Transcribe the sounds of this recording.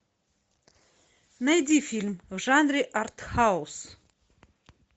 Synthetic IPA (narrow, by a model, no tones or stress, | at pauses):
mejd̪ifilmʒanɾiʔart̪haws